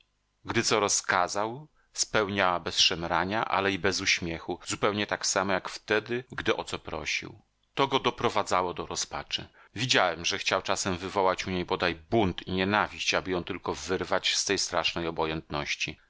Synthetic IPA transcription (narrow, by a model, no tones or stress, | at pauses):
ɡd̪ɘt̪sɔɾɔskazaw | spɛwɲawabɛsʂɛmɾaɲaʔa̰lɛibɛzuɕmʲjɛxuzupɛwɲɛt̪aksamɔjakft̪ɛd̪ɘɡd̪ɘʔɔt̪sɔpɾɔ̰ɕḭw | t̪ɔɡɔd̪ɔpɾɔvad̪zawɔd̪ɔɾɔspat͡ʂɘ̰ | vʲid͡ʑawɛmʐɛxt͡ɕawt͡ʂasɛmvɘvɔwat͡ɕuɲejbɔd̪ajbunt̪iɲɛnavʲiɕt͡ɕabɘjɔ̃w̃t̪ɘlkɔvɘɾvat͡ɕst̪ɛjst̪ɾaʂnɛjɔbɔjɛnt̪nɔɕt͡ɕi